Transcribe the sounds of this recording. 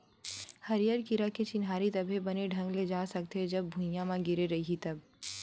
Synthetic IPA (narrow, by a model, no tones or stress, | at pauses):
hɐɾijəɾkɪɾaket͡ʃɪnɦaːɾit̪ɐbʱebɐneɖʱɐ̃ŋɡled͡ʒaːsɐk̚t̪ed͡ʒɐbːʱʊ̃jãmãɡɪɾeɾɐɦiɦit̪ɐb